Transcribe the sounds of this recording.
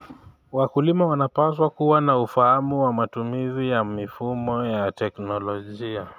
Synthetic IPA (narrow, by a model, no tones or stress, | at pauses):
wakulimawanapaswakuwanaufahamuwamatumizijamifumɔjatɛknɔlɔʄia